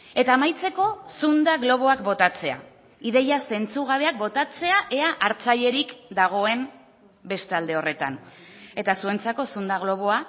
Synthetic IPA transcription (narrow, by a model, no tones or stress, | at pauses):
e̞t̪aːmajt͡se̞ko̞sund̪aɣlo̞β̞o̞akbo̞t̪at͡se̞a̰ | iðe̞jase̞nt͡suɣ̞aβe̞ak̚bo̞t̪at͡se̞aʔeaʔaɾt͡saʎe̞ɾikd̪aɣ̞o̞e̞m | be̞st̪ald̪e̞o̞re̞t̪a̰ne̞t̪asue̞nt͡sako̞sund̪aɣlo̞β̞o̞a